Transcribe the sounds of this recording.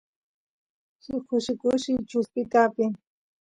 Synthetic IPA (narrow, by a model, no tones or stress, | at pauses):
sʊkʊʃɪkʊʃɪt͡ʃʊspɪt̪apɪŋ